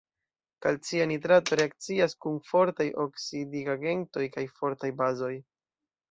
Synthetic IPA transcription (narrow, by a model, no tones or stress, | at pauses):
kalt͡sianitɾato̞ɾe̞ak̚t͡siaskunfo̞ɾtajʔoksidiɡaɡe̞nto̞jkajfo̞ɾtajbazo̞j